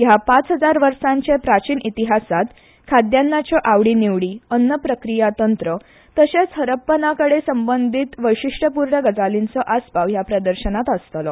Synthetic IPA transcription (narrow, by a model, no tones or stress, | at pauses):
jɦapat͡sɦəd͡zaɾʋəɾʂaɲt͡ɕepɾat͡ɕiːnit̪iɦasat̪ | kʰad̪janːat͡ɕjɔʔaʋɽiːniʋɽiːənːəpɾəkɾijat̪ənt̪ɾə | t̪əɕet͡sɦəɾəpːənakəɽesəmbənd̪ʱiːt̪ʋəjɕiʂʈəpuɾɳəɡəd͡zalint͡sɔʔaspaʋɦjapɾəd̪əɾɕənat̪əst̪lɔ